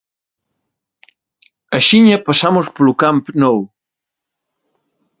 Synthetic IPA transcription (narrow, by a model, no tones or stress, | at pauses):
ɐʃiɲɐpɐsamʊspolukampnɔw